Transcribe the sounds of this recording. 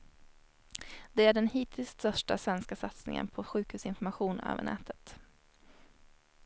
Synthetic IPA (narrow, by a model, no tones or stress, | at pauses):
d̪̥ɛæɖɛnhiːt̪ʰɪlssœʂʈa̰svɛnskasat̪snɪŋə̰npʰɔɧʉ̟ːkhʉ̟ːsɪnfɔɾmaɧuːnø̰ːvə̰ɳɛ̰ːt̪ʰət̪